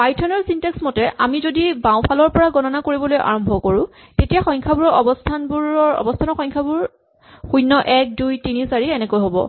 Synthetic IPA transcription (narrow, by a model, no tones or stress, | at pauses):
pajtʰɔnɔɹsinteksmɔtɛʔamizodibãw̃pʰalɔɹpɔɹaɡɔnɔnakoɹibɔlojʔa̰ɹɔmbʱɔkoɹũ | tetijaxɔjŋkʰabuɹɔʔɔbɔstʰanbuɔɔ̰bɔstʰanɔxɔjɲkʰabuɹ | xujnːɔʔɛk̚dujtinisaɹiɛnɛkojɦobɔ̰